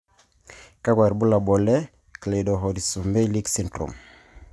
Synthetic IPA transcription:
ka˦ɡwa˨ɾbu˦la˨bɔ˨le˦ | kle˨do˨ɦo˨ɾi˨su˨me˦li˦ksi˦ntɾṵ˨m

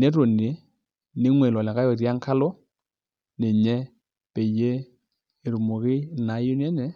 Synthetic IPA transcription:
nɛ˨˦to˨ne˨˦ | nɪ˨˦ŋwe˨lɔ˨lɛ˨ka˦jɔ˨ɾja˦ŋka˦lɔ˦ | ne˨ɲɛ˦ | pe˨je˦ | e˨ɾu˨mo˨kɪ˦˨na˨˦jʊ˦nɛ˦nɛ˨

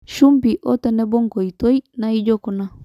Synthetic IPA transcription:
ʃu˦mpiʔo˦t̪e˨ne˦bo˦ŋko˨it̪o˦jna˦i˦d͡ʒo˦ko˨na˦

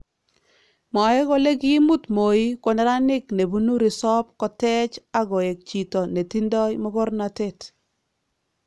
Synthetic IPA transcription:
mɔ˨ɛ˦ko˦le˦ki˦mu˦tmo˨i˦kɔ˨nɛ˦ɾa˦nɪ˦kne˨bu˦nu˦ɾi˨sɔ˦p̚kɔ˨tɛ˦t͡ʃa˦ɡɔ˨e˨k̚t͡ʃi˨tɔ˨ne˨ti˦ndɔ˦jmɔ˦kɔ˦rna˨te˦˨t

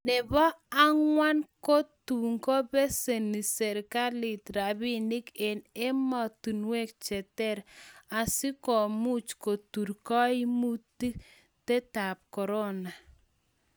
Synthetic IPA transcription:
nɛ˨βɔ˦a˦ŋwa˦nko˦tu˨ŋko˦be˦se˨ni˨se˨ɾka˦li˨tɾa˨βi˦ni˦ke˨ne˦mɔ˨tu˨nwe˦k̚t͡ʃɛ˨tɛ˦˨ɾa˨si˦kɔ˨mu˦t͡ʃko˨tu˨ɾkɔ˦i˦mu˦ti˦ | te˦ta˨p̚kɔ˨ɾɔ˦na˨

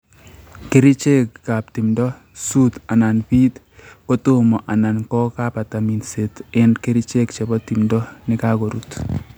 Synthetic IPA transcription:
ke˦ɾi˦t͡ʃe˦kːa˨p̚ti˨mdɔ˦ | su˦ta˨na˨npi˦t̪ | ko˦to˦mɔ˨ʔa˨na˨nkɔ˦ka˦pa˨ta˨mi˨nse˨tɪ˦nke˦ɾi˦t͡ʃe˦kt͡ʃe˨bɔ˦ti˨mdɔ˦nɪ˦kako˨ɾu˨t

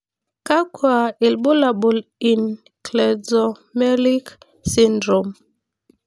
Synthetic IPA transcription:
ka˦kwa˨i˨lɓo˦la˨bu˨li˨n | klɛ˨dɔ˨mɛ˦li˦k | si˦ndɾo˨m

